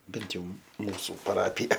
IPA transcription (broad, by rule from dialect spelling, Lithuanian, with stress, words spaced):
ˈbʲɛnt jɛʊ ˈmuːsʊ pɐˈrɑːpʲɪjɛ